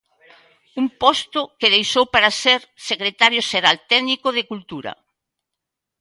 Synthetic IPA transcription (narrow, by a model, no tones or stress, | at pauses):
umpɔst̪ʊkeðejʃowpaɾaseɾsekɾet̪aɾjʊʃeɾalt̪ɛðnikʊðekult̪uɾɐ̰